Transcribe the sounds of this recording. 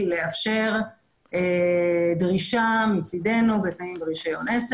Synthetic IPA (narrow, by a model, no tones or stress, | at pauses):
leafʃe̞ʁ | edʁiʃamit͡side̞nubet̪naimbʁiʃajones